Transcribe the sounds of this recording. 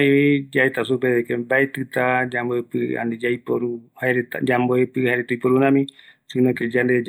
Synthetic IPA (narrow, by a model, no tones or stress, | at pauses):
ed͡ʒaet̪asupeðekebaet̪ɨt̪ad͡ʒamboepɨa̰nid͡ʒaipoɾuhaeɾet̪d͡ʒamboepɨhaɾet̪uipoɾunãmĩsɨnõked͡ʒand̪ed͡ʒ